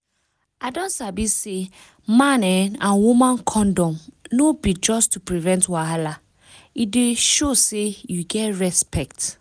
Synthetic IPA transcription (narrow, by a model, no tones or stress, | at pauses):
adɔ̃nsabise | mãnɛnãnwumãnkʰɔ̃ndɔ̃mnobid͡ʒɔstupɹivɛ̃ntwaɦala | ideʃosejuɡɛtɹɛspɛkt